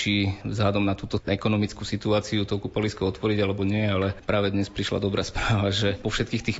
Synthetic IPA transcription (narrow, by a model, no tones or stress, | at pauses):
t͡ʃivzɦlad̪ɔmnat̪uːt̪ɔɛkɔnɔmit͡skusit̪uaːt͡siut̪ɔkupaliskɔɔt̪ʋɔɾiɟalɛbɔɲɪɛɛalɛpɾaːʋɛd̪ɲɛspɾiʃla̰d̪ɔbɾaːspɾaːʋaʒɛpɔfʃɛt̪kiːxt̪iːx